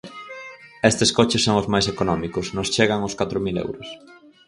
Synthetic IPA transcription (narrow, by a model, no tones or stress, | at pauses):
est̪ɪskɔt͡ʃɪsːoŋʊzmajs̬ekonɔmikʊsnost͡ʃeɣ̞aŋʊskat̪ɾʊmilḛwɾʊs